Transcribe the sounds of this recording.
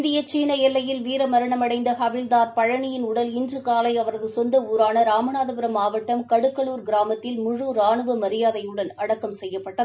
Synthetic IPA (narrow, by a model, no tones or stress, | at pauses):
nd̪ɪjɐt͡ʃiːnɐɛlːɐjɪlʋiːɾɐmɐɾɐɳɐmɐɽɐɪnd̪ɐhɐʋɪld̪aːɾpɐɻɐɳɪjɪnʊɽɐlɪnd͡ʒrɯkaːlɐɪɐʋɐɾɐðɯsɔnd̪ɐuːɾaːnɐɾaːmɐnaːðɐpɪɾɐmaːʋɐʈːɐmkɐɽɯkːɐɭuːɾɡɪɾaːmɐt̪ːɪlmʊɻuɾaːɳɯʋɐmɐɾɪjaːðɐjɯɽɐnɐɽɐkːɐmsɛjːɐpːɐʈːɐðɯ